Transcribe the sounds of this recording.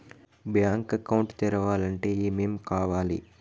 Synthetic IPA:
bjaːŋkɐkːɐwuɳʈt̪ɛɾɐʋaːlɐɳʈeːimeːmkaːʋaːlḭ

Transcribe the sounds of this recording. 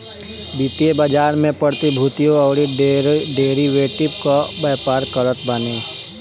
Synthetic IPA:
bit̪iebəd͡ʒaːɾmẽpəɽt̪ibʱuːt̪ijõɔːɾiɖeːɾiʋeːʈɪpkabəːpaːɾkəɾət̪bəneː

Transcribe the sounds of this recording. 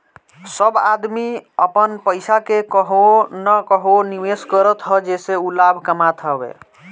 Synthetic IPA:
səbad̪miəpənpəɪsakekəɦonəkəɦoniʋeskəɾət̪ɦɔd͡ʒeseulabʱkəmat̪ɦəbḛ

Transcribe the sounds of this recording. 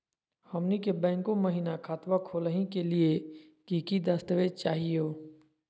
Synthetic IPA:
hɐmnikebɛ̃ːŋkõmɐɦiːnakʰaːt̪ʋakʰoːləɦĩkelie | kiːkid̪əst̪əʋet͡ʃaːɦioː

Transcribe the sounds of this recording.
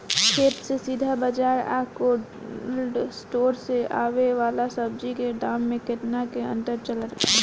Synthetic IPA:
kʰeːt̪sesiːd̪ʱabəd͡ʒaːɾa̰ːko | lɖsʈoːɾseʔa̰ːʋeʋaːlasəb̚d͡ʒikeɖaːmːẽkɪt̪nakeə̰̃nʈ̪əɾt͡ʃələt̪

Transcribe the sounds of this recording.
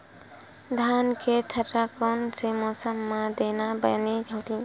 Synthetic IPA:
d̪ʱaːnket̪ʰəʈɾakoːnsemɔːsəmːãd̪eːnabəned͡ʒʱəːt̪ĩ

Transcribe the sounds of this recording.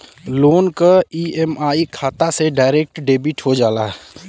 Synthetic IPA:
loːnkaiemaːikʰaːt̪aseɖaːɪɾek̚ʈɖeːbiʈɦod͡ʒaːlaːɦɛ

